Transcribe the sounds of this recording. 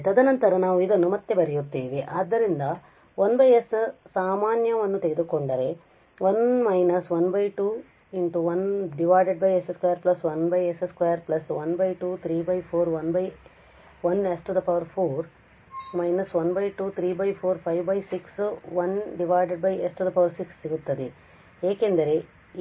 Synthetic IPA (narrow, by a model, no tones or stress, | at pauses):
t̪ɐd̪ɐnɐnt̪ɐɾɐnaːʋuid̪ɐnːumɐt̪ːe̞bɐɾijut̪ːiːʋiʔaːd̪ːɐɾind̪ɐ | ʋɐnbɐjessaːmaːnjɐʋɐnːut̪e̞ɡed̪ukoɳɖɐɾe̞ | ʋɐnmɐjnɐsʋɐnbɐjʈuː | inʈuʋɐnɖiʋaːjɖeɖ̚bɐjeseskʋɐːjɐɾplɐsʋɐnbɐjeseskʋɐːjɐɾplɐsʋɐnbɐjʈuːt̪ʰɾiːbɐjpʰoːɾʋɐnbɐj | ʋɐnesʈud̪ɐpɐʋɐɾpʰoːɾ | mɐjnɐsʋɐnbɐjʈuːt̪ʰɾiːbɐjpʰoːɾpʰɐjʋbɐjsiksʋɐnɖiʋaːjɖeɖ̚bɐjesʈud̪ɐpɐʋɐɾsiksːiɡut̪ːɐd̪e | eːke̞nd̪ɐɾe̞